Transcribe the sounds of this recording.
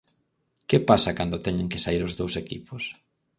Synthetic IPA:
kepasakand̪ʊt̪ɛɲeŋke̥saiɾozðowsekipʊs

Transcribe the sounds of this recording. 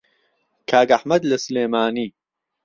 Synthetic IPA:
kʰaːɡɐħmɐd̪lɐsɨleːmaːniː

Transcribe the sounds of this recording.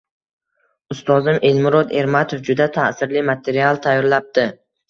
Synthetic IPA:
ʊst̪ɒzɪmʔe̞lmʊɾɒd̪e̞ɾmat̪ʰofd͡ʒʊd̪at̪ʰasɪɾlimat̪ʰe̞ɾialˠt̪ʰajɒɾlap̚d̪ɪ

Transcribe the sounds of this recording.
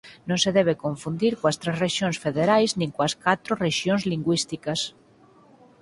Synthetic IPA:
nõŋseðɛβ̞ekõɱfund̪iɾkoɐst̪ɾesreʃjõnsfeðeɾajznĩŋkoɐskat̪ɾoreʃjõŋzliŋɡwist̪ikɐs

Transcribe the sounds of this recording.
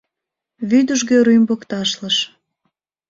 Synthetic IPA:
βyd̪əʒɣøɾymbokt̪ɑʃləʃ

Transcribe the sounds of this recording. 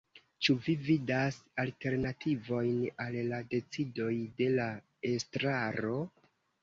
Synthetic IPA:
t͡ʃuvividasalte̞ɾnatʰivo̞jnalːade̞t͡sido̞jde̞la | estɾaɾo̞

